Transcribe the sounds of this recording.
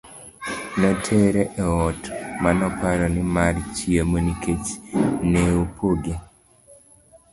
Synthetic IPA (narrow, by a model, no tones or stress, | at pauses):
nɔtʰeɾeʔɛɔtmanɔpaɾɔnɪmart͡ʃiemonikʰet͡ʃneopʰoɡe